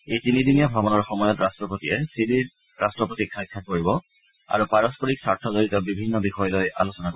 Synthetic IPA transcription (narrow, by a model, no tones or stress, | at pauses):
ejtinidinijabʱabɔnɔɹxɔmɔjɔtɹastɹɔpotijɛsidiɹ | ɹastɹɔpotikʰːakʰːakoɹibɔ | a̰ɹupaɹɔspɔɹiksaɹtʰɔzoɹitɔbibʱinːɔbixɔjɔlojʔa̰losɔnako